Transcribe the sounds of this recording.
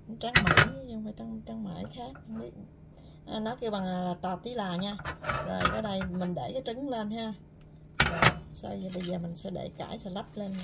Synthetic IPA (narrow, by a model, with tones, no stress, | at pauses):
t͡ɕaː˨˦ŋma̰ː˧˩˦ju˧waː˨˩t͡ɕa˧ŋt͡ɕa˧ŋma̰ː˧˩˦jxaː˦˥k̚hɓi˦˥ət̚ | ʔaː˨˩nɔ˨˦ki˧əwɓa˨˩ŋlaː˨˩laː˨˩t̪aː˨˩t̪i˨˦laː˨˩ɲaː˧zo˨˩jkaː˨˦ɗə˧jmï˨˩ŋ̟ɗe˧˩kaː˨˦jt͡ɕɨ˨˦ŋle˧nhaː˧ | zəː˨˩sa˧wzi˨˩ɓə˧jzəː˨˩mï˨˩ŋ̟sɛ̰˧˥ɗḛ˧˩ka̰ː˧˩jsɛ̰˧˥lə˦˥p̚le˧n